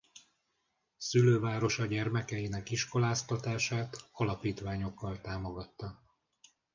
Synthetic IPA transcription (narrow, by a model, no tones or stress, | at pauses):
syløːvaːɾo̞ʃɒɟɛrmɛkɛjinɛkiʃko̞laːst̪ɒt̪aːʃaːt̪ɒlɒpiːt̪ʋaːɲo̞kːɒlt̪aːmo̞ɡɒt̪ːɒ